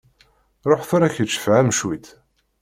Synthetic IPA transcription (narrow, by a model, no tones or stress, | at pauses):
ɾˤoħθʊɾæçət͡ʃːə̥fʕamʃwit̪